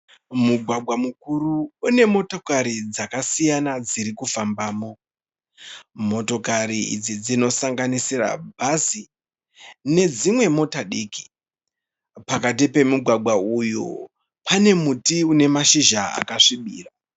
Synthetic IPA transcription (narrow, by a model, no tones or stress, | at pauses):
muɡʱwaɡʱwamukuɾuːne̞mo̞to̞kaɾid͡zakasijanad͡ziɾikufambaːmo̞ | mo̞to̞kariḭd͡zid͡zino̞saŋɡanisira̰bʱazi | ne̞d͡zimwe̞mo̞taɗiːki̥ | pakat̬ipe̞muɡʱwaɡʱwaujṵ | pane̞mutiune̞maʃiʒaa̰kaʂiɓḭːra